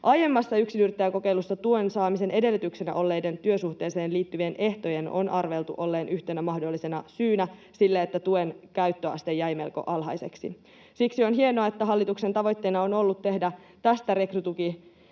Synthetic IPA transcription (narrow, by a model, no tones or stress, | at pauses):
ʔɑje̞mːɑsːɑyksinyrt̪ːæjæko̞ke̞jlusːɑt̪ue̞nsɑːmise̞ne̞de̞lːyt̪ykse̞næ̰ʔo̞lːe̞jde̞nt̪yø̞suht̪e̞ːse̞ːnliːt̪ːyʋienʔe̞ht̪o̞je̞no̞̰nɑrʋe̞lt̪uʔo̞lːe̞ːnʔyçt̪enæmɑhdo̞lːise̞nɑsyːnæ | silːeet̪ːæt̪uenkæyt̪ːøɑ̰st̪e̞jːæjme̞lko̞̰ʔɑlɦɑ̰jse̞̰ksḭ | siksio̞nɦienoɑet̪ːæɦɑlːit̪ukse̞nt̪ɑʋo̞jt̪ːe̞ːnɑo̞no̞lːut̪ːe̞hdæ | t̪æst̪æɾe̞krut̪uki